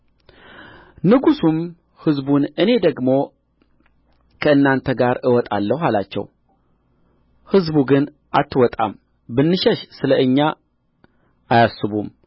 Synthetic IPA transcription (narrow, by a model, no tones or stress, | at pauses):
nɨɡusum | hɨzbunɨne̞d̪əɡmo̞ | kʰəɨnːant̪ʰəɡaɾɨwɔt̪ʼa̰lːəhhalat͡ʃːɛ̰w | hɨzbuɡɨn | ʔat̪ʰːɨwɔt̪ʼa̰m | bɨnːɨʃɛʃsɨləʔɨɲːa | ʔajasːɨβum